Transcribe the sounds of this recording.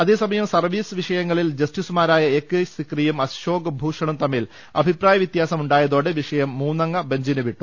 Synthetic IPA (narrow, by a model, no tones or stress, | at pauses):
ɐðe̞ːsɐmɐjɐmsɐrʋiːsɨʋiʂɐjɐŋːɐɭild͡ʑɐstisumaːɾaːjɐekːesikrijumɐɕo̞ːɡɐbʱuːʂɐɳɐmt̪ɐmːiːl | ɐ̰bʱipraːjɐʋjit̪jaːsɐmuɳɖaːjɐðo̞ːɽeʋiʂɐjɐmːuːnːɐŋːɐbɐɲd͡ʑinuʋiʈːu